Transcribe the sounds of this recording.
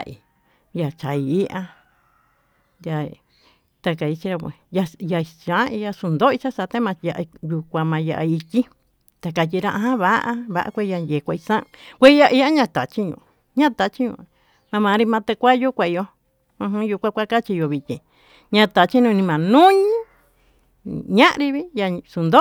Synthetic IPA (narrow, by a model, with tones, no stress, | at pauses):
a˧i˨ | ja˨t͡ʃa˨i˨i˦ʔa˧ | da˧ | t̪a˧ka˨i˧t͡ʃi˧ɾa˧kʷḛ˧ja˧ja˧i˨˧t͡ʃã˨˦i˧ja˧su˧nd̪o˦i˧t͡ʃa˦sa˧t̪e˦mã˧ja˧ʔju˧kʷã˧mã˧ja̰˧ʔa˧i˧tʲi˦ | t̪a˧ka˧t̬ʲi˧ɾã˧ʔa˧ɦã˦βa˦ʔa˦βa̰˧ʔa̰˦˧kʷe˦˧ja˧nje˨kʷa˧i˧sã˦ʔkʷe˦ja˧ʔi˧ja˦ɲã˧t̪a˨t͡ʃi˦ɲṵ̃˧˨ | ɲã˦t̪a˧t͡ʃi˦ɲṵ̃˧ | mã˧mã˨˧ɾi˧mã˧t̪e˧kʷa˦ju˦kʷã˧i˧jo˧ | ũ˧ɦũ˦ju˧kʷã˦kʷa˦ka˦t͡ʃi˧jo˧βi˧t̪ʲĩ˧˨ | ɲã˧t̪a˨t͡ʃi˦nũ˧nĩ˧mã˨nũ˦ɲĩ˦ | ɲã˦ʔɾi˧βi˦ja˧su˨˧nd̪o˦